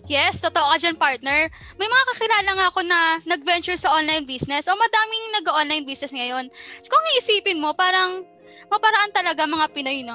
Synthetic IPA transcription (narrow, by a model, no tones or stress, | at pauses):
jɛst̪ot̪oʔokɐd͡ʒɐnpaɹt̪̚nɛɹ | mɐjmɐŋakɐkɪlaːlɐŋɐɐko̞nɐnɐɡ̚vɛnt͡ʃʊɹsɐʔo̞nlɐjnbiːsnɛsʔo̞mɐd̪aːmɪŋnɐɡɐʔonlɐjnbisnɛsŋɐjo̞nskoŋiʔɪsiːpɪnmo̞paːɾɐŋ | mɐpɐɾɐʔant̪ɐlɐɡamɐŋapɪnojno